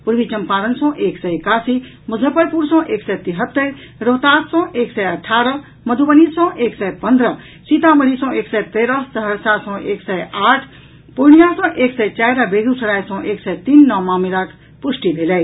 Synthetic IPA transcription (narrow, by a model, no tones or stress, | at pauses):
puɾʋit͡ʃəmpaɾənsɔ̃ːʔeːksɛjekaːsi | muzʱəpəɾpuɾsɔ̃ːʔeːksɛt̪iɦət̪ːəj | ɾoɦt̪aːssɔ̃eːksɛjəʈʰːaɾə | məd̪ʱubənisɔ̃ʔeːksɛpənd̪ɾə | sit̪ãməɾisɔ̃eːksɛt̪eːɾəsəɦəɾsasɔ̃ʔeːksɛjaːʈʰ | pujnijasɔ̃ʔeːksɛjt͡ʃajɾəbeɡ̪usəɾajsɔ̃ʔeːksɛt̪iːnːɔmaːmilak | pusʈibʱeləj